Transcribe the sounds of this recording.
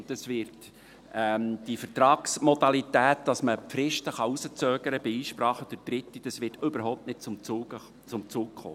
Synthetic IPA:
ntəsvɪrt | ɛmd̥ifəɾtɾɑːksmɔdɑlitæːt̚d̥ɑsməpfɾɪʃtəχɑusət͡søːɡəɾəbɪiːʃpɾɑːχəd̥əd̥ɾɪtːid̥ɑsʋɪrtʏbəɾɦɔʊptnɪt̚t͡sʊmuːə | t͡sʊmt͡suːkχo̰ː

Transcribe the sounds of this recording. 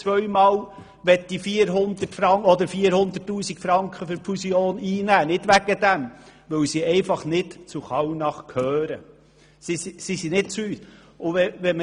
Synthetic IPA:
t͡sʋœɥmɑːl | ʋɛtdifiːəɾɦʊnd̪ətfɾɑŋɔd̪əɾfiːəɾhʊnd̪ətːuːsikfɾɑŋkχəfɵɾpfusioːniːnæːnɪd̥ʋæɡ̥əd̥̪æmʋɵwsiɛɪfɑχnɪtt͡sʊχɑwnɑχkʰhøːɾə | sisisinɪtt͡syːt | ʊɛʋɛm

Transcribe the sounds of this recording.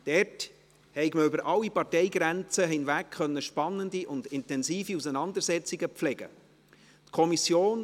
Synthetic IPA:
d̥ɛɾt | hɛɪkməybəɾʔɑlːipɑrtɛɪɡɾænt͡səɦɪnʋækχœnːəʃpɑnːəndiʔʊndɪntɛnsiːfiusənɑnd̪əɾsɛt͡siɡəpflɛɡ̥ə̰ | t̪kʰɔmisjoːn

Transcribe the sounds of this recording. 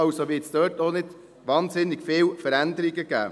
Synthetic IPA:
ɑwsoʋɪːtsd̥œːɾtonɪd̥ | ʋɑːnsɪnːɪɡfɪːwfəɾænd̪əɾiɡəɡ̥æ̰ː

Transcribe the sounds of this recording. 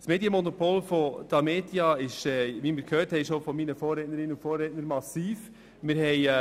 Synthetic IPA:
smeːdjəmonopolfɔd̥ɑmeːtiɑɪʃɛʋimɪɾkʰhøːɾthɛɪʃofɔminəfoːrɾɛtnəɾɪnʊntfɔːrːɛtnəɾmɑsiːf | mɪɾhɛɪ

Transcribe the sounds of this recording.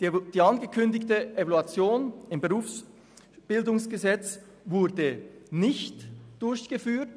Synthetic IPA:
d̥iːɑnɡəkʰʏndɪçtəʔevaluat͡sjoːnɪmbəʁuːfs | b̥ɪldʊŋsɡ̥əzɛt͡s | vʊɐdənɪçtd̥ʊɾçɡ̥əfyːt

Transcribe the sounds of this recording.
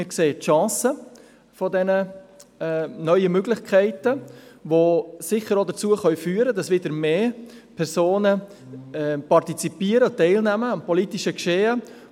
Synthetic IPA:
ɪɾkseːətʃɑ̃ːsə | fɔdɛnə | nœʏəmøɡlɪχkʰɛɪtəʋosɪχəɾodət͡suəχœʏfyːəɾədɑsʋɪdəɾmeːpʰɛɾsoːnə | ɛpɑrtit͡sipiːəɾətɛɪlnæməɑmpɔlitiʃəkʃeːə

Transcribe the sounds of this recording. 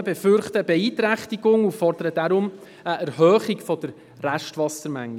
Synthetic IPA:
bɛfʏɾχtəbɛiːtɾæχtiɡ̥ʊŋufɔrd̥əɾəd̥aɾʊm | əæɾɦœːχikfɔd̥əɾ | ræʃtʋɑsəɾmæŋi

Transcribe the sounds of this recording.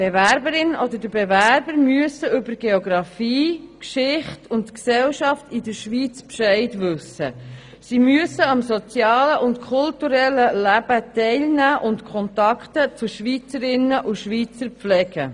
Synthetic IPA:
b̥evæɾbəɾɪnɔd̪ədəbevæɾbəɾmyəsəʏbəɾɡ̥eoɡɾɑfiːkʃɪχtʰʊntksɛlʃɑftidəɾʃʋiːt͡spʃɛɪtʋʏsə̰ | simyəsəɑmsot͡sjɑːləʔʊntkʰʊltuɾɛlːəlæb̥ətɛɪlnæːʔʊntkʰχɔnt̪ɑkχtət͡sʊʃʋiːt͡səɾɪnəʔuʃʋiːt͡səɾflɛɡ̥ə

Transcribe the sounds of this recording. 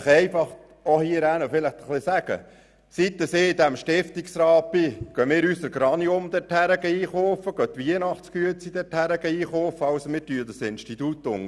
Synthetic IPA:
χɛɪfɑχ | ohiəɾæːnəfɪləχt̪əχlɪsæɡ̥ə̰ | sit̪ːəseːid̪æmʃtɪft̪iksɾɑːbiɡ̥œmɪːɾysəɾɡ̥ɾɑniʊmd̪ɛthæɾəɡəiːχoːfəɡ̥œt̪ʋiənɑχtskyət͡sid̥̪ɛthæɾəɡəiːχoːfəɑwsmɪtyːəd̪əsɪnʃtit̪ut̪ːʊ̰ŋ

